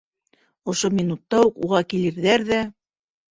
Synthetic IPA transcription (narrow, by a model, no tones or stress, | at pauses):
ŏʃomʲinut̪ːɑuqṵʁɑkilɘ̆ɾðæɾðæ